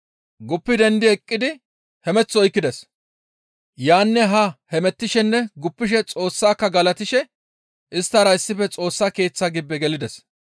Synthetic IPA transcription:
ɡʊpːɪd̪ɛnd̪ɪɛkʼːɪd̪ɪ | hɛmɛt͡sːɔɔjkːɪd̪ɛs | jaːnːɛɦɐhɛmɛt̪ːɪʃɛnːɛɡʊpːɪʃɛt͡sʼo̞ːsːaːkːɐɡɐlɐt̪ɪʃɛ | ʔɪst̪ːɐɾɐɪsːɪfɛt͡sʼo̞ːsːaːke̞ːt͡sːaɡɪbːɛɡɛlɪd̪ɛs

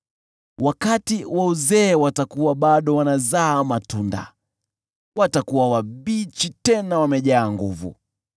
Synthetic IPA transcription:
wakatiwauzɛːwatakuwaɓaɗɔwanazaːmatunda̰ | watakuwawaɓit͡ʃitɛnawamɛʄaːŋɡuvṵ

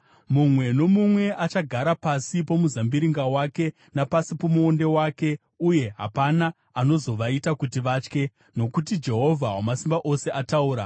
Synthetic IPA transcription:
mumwe̞no̞mumwe̞ʔat͡ʃaɡʱaɾapasipo̞muzambiɾiŋɡawake̞ | napasipomuo̞nde̞wake̞ | uje̞ɦa̰pana | ano̞zo̞ʋaitakutiʋat͡ʃke̞ | no̞kutid͡ʒe̞ɦo̞vʱawamasimbaʔo̞se̞ʔatauːɾa

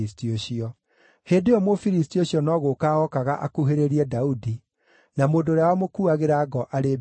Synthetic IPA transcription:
istioɕiɔ | heːdeɔmofiɾis̬tioɕiɔnɔːɣokaːɔkaɣaʔakuɦeɾeɾiɛdaudi | namoːndoɾeawɔmokuaɣeɾaɡɔʔaɾe

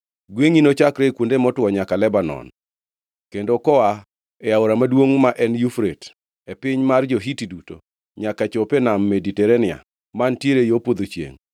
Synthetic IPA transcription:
ɡweŋinot͡ʃakɾekwondemɔtwɔɲakalɛbanɔ̰n | kendokɔa | ɛaoɾamadwoŋmaʔɛnjufɾet | epɪɲmard͡ʒɔɦitiduto | ɲakat͡ʃopenamːeditɛɾenɪa̰ | mantjeɾejopod̪ot͡ʃjḛŋ

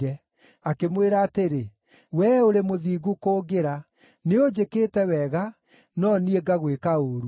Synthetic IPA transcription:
ɛ | akemweɾaːteɾe | wɛoɾemoðiːɣukoːɡeɾa | neod͡ʒekeːtɛwɛɣa | nɔnieɡaɣwekaoːɾu

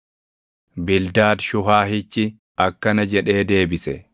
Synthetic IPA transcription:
bɪld̪aːd̪ʃʊɦaːɦɪt͡ʃːɪ | ɐkːɐnɐd͡ʒɛᶑe̞ːd̪e̞ːbɪsɛ

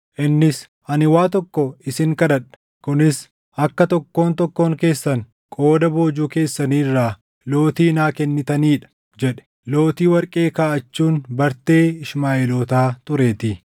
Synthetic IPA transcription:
ʔɪnːɪs | ʔɐnɪwaːt̪̬ɔkːɔɪsɪŋkɐdɐᶑɐ̥ | kʊnɪs | ʔɐkːɐt̪ɔkːo̞ːnt̪ɔkːo̞ːŋke̞ːsːɐŋ | kʼoːd̪ɐbo̞ːd͡ʒuːke̞ːsːɐniːrːaː | lo̞ːt̪iːnaːkɛnːɪt̪ɐniːᶑɐ̥ | d͡ʒɛᶑɛ̥ | lo̞ːt̪iːwɐɾkʼe̞ːkaːʔɐt͡ʃːuːnbɐɾt̪e̞ːɪʃmaːeloːt̪aːt̪ʊɾe̞ːt̪ɪ

